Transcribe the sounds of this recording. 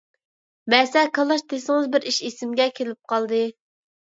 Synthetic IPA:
bɛsɛkʰɑlˠɑʃd̪esɪŋɨzbɪɾiʃesɪmɡʲɛkʲʰelɪp̚qʰɑlˠd̪ɨ

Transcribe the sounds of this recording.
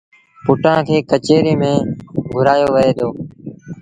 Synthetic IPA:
pʊʈãːkʰeːkət͡ʃeːɾiːmẽːɡʱʊɾaːjoːʋəeːd̪oː

